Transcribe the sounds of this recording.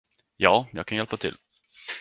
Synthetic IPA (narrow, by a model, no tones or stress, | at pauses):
jɑːjɑːɡkʰanjɛlpat̪ʰɪ̰l